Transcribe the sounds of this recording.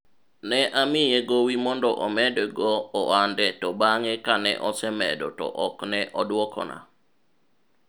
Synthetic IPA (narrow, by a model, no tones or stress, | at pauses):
nɛʔamɪjeɡowimɔndɔʔɔmɛdɛɡɔːandɛtɔbaŋekanɛ̰ʔɔsɛmɛ̰dɔ̰tɔ̰ʔɔknɛʔɔdwɔkɔ̰na̰